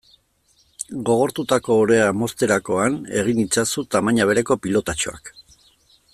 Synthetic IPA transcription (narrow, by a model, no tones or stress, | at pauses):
ɡo̞ɣ̞o̞ɾt̪ut̪ako̞ːɾe̞amo̞st̪e̞ɾako̞ane̞̰ɣ̞init͡sasut̪amaɲaβ̞e̞ɾe̞ko̞pilo̞t̪at͡ʃo̞a̰k